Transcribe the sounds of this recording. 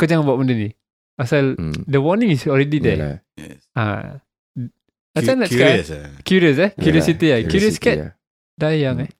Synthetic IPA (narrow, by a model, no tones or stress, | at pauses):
kəd͡ʒaŋbuaʔ̚məndəni | pasaldəwɔnĩŋisɔlɹɛdidɛ | a̰ | at͡ʃanɛtskaskjuɾiəs̬ɛkjuɾiɔsit̪iajuɾiəskɛt̪̚ | dajaŋɛ